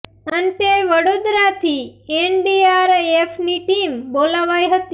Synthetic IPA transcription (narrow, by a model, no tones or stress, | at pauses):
ənt̪eʋəɽod̪ɾat̪ʰieɳɖiaɾefniʈimbolaʋajɦət̪i̥